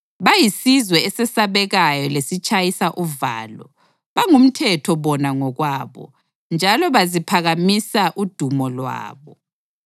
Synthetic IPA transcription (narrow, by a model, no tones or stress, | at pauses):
βajisizwɛːsɛsaβɛɣajɔlesit͡ʃʼajisaʔuva̰ːlɔ̰ | βaŋum̩tʰɛtʰɔβɔnaŋɔɣwaːβɔ̰ | nd͡ʒʱalɔβazipʰaɣamisaʔud̥ʱumɔlwa̰ːβɔ